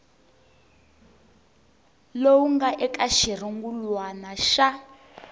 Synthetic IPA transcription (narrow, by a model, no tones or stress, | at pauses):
lowuŋɡaʔɛkʼaʃir̤iŋɡulwanaʃa